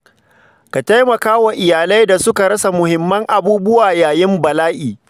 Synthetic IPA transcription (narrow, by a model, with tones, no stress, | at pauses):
ka˨ta˦jmɐ˨kaː˦wa˨ʔɪ˨jaː˨la˦jda˨sʊ˦ka˨ɽɐ˦sa˨mʊ˨hɪ˨mːɐ˦ŋʔa˨buː˦bʊ˦waː˨jaː˨jɪ˦mbɐ˨laː˦ʔiː˨